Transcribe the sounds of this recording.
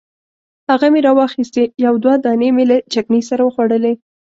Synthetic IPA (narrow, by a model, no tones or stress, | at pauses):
haɣameɾɑwɑxist̪ejawd̪wad̪ɑnemelat͡ʃaknisaɾawəxwaɽəle